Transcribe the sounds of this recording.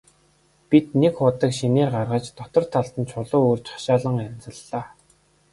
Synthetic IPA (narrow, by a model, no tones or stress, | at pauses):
pit̪nekχʊt̪ə̆kʃineːrɢarʁə̆t͡ɕt̪ɔt̪ɞ̆r̥t̪ʰaɬt̪ə̆nt͡ɕʰʊɮʊːoːrt͡ɕḁʃaːɮə̆ŋænʲt͡sə̆ɮːaː